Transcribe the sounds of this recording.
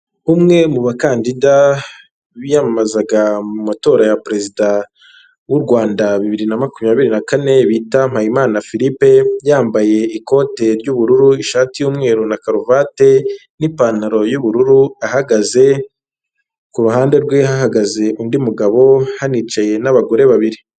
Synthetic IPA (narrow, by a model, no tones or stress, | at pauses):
umŋe̞muβakaːndida | βijamamazaɡamumato̞ːɾajapɾe̞zida | wuɾɡwaːndaβiβiɾinamakumjaːβiɾinakane̞βiːtam̥haimaːnafiɾipe̞jaːmbaje̞iko̞ːte̞ɾɟuβuɾuɾuiʃaːtijuːmŋe̞ːɾunakaɾovate̞nipanaɾo̞juβuɾuɾuahaɡaze̞ | kuɾuɦaːnde̞ɾɡwe̞haɦaɡaze̞ʔundimuɡaβo̞haniːt͡ʃaje̞naβaɡo̞ɾe̞βaβiɾi